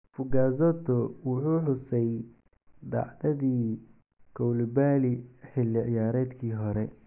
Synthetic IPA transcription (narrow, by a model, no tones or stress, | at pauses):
fʊɡaːzɔt̪ɔwʊħuːħʊsɛj | d̪ɑ̰ʕd̪ɐðiː | kʰɔwlɪbaːlɪħɪlːɪʕɪjaːɾɛːd̪kʰiːɦɔɾɛ